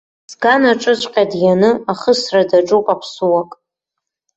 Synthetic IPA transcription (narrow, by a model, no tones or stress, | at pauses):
sɡanaʈ͡ʂʼɨt͡ɕʷʼqʲʼadjanɨaχəsradaʈ͡ʂʼukʼapʰsuwakʼ